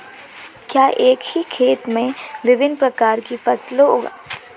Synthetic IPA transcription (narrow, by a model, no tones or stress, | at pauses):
kjaːʔeːkhikʰeːt̪mẽʋɪʋɪnpɾɐkaːɾkifɐslɦoːɡa̰ː